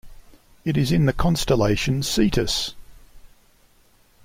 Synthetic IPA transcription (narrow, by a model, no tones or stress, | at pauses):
ɪɾɪzɪ̃nðəkʰɒ̃nstəleɪʃə̃nsiˑtʰəs